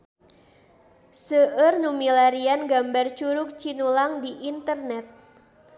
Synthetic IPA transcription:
səʔərnumilaɾianɡambart͡ʃuɾʊk̚t͡ʃinulaŋdiʔint̪ərnɛt̪̚

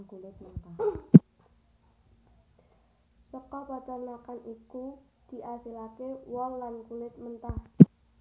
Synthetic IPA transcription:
kulɪt̪̚mənt̪ah | səkɔpat͡ʃanakaniku | d̪̥i̤ʔasilakewɔŋlankulɪt̪̚mənt̪ah

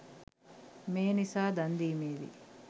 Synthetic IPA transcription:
meːnisaːd̪ɐnd̪iːmeːd̪ḭ

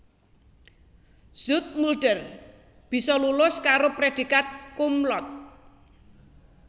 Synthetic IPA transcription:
z̥ʊt̪̚mulɖ̥ər | b̥i̤sɔlulʊskaɾopɾed̪̥i̤kat̪̚kumlɔt̪̚

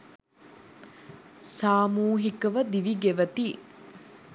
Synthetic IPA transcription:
saːmuːɦikɐʋɐd̪iʋiɡeʋɐt̪i

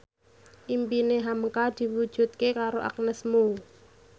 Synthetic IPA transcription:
ʔimpineɦamkad̪̥i̤wud̥ʒ̥ṳt̪̚kekaɾoʔa̰k̚nəsmuu

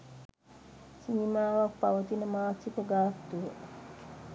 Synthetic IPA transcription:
sinimaːʋak̚paʋət̪inəmaːsikəɡaːt̪ːuʋə

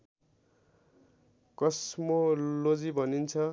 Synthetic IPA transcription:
kʌsmolod͡zibʱʌnint͡sʰʌ

